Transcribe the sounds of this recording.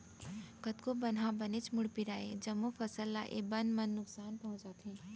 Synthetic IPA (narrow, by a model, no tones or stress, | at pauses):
kɐt̪kobɐnɦãbɐnet͡ʃmʊɽpiɾaːḛd͡ʒɐmːofʰɐsəlːa̰ʔḛbɐnmɐnːʊksaːnpɐ̃ɦʊ̃t͡ʃd͡ʒaːt̪ɛ̃ː